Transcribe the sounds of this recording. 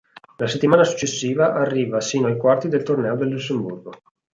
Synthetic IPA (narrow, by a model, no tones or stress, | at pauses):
laset̪ːimaːnasu̥t͡ʃːesːiːvaʔarːiːvasiːnoajkwart̪id̪elt̪ornɛːod̪elːusːemburɡo